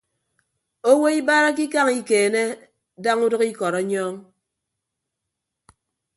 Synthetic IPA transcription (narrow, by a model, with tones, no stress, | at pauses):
o˦wo˦i˦ba˦ɾa˦k̬i˦k̬a˦ŋi˦keː˨ne˦ | da˦ŋu˦dɨ˦ki˦kɔ˨ɾɔ˨˦ɲɔː˦ŋ